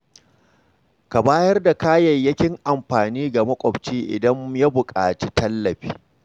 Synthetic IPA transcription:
ka˨baː˦jɐ˦rda˨kaː˦jɐ˨jːɐ˦kʲɪ˦ŋʔa˨mɸaː˨niː˦ɡa˨mɐ˦kʷʼɔ˨bt͡ʃiː˦ʔɪ̰˨dɐ˦mja˦bʊ˨kʼaː˨t͡ʃi˦tʰɐ˦lːɐ˨ɸiː˦

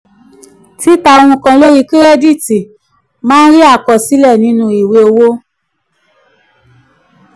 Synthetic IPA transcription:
ti˨˦ta˧o˧w̃ũ˧kã˧lo˦ji˧ki˦ɾɛ˦di˦˨ti˨ | mãː˦n̩˦ɾi˦a˦˨kɔ˨si˨˦lɛ˦˨nĩ˨˦nũ˧i˨we˧o˧wo˦

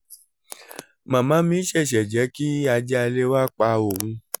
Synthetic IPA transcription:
mã˨mã˨˦mĩ˦ʃɛ˦˨ʃɛ˨d͡ʒɛ˨˦ki˦a˧d͡ʒɛ˦a˧le˦wa˦k͡pa˧o˨hũ˧

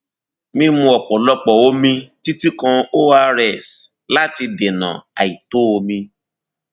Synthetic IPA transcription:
mĩ˧mũ˧ɔ˨k͡pɔ˨lɔ˧k͡pɔ˨o˦mĩ˧ti˦ti˦kã˧o˦a˧ɾɛ˨s | la˦ti˧de˨nã̰˨a̰˨i˨to˦o˧mĩ˧

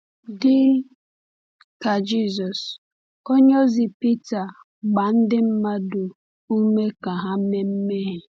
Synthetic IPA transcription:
dɪ˦ | ka˨d͡ʒi˦zɔ˨s | o˦ɲo˦zi˨pi˦ta˨ | ɡ͡ba˨n̩˦dɪ˦m̩˦ma˦dʊ˨ | u˦me˦ka˨ɦa˦me˦m̩˦me˦ɦe˨

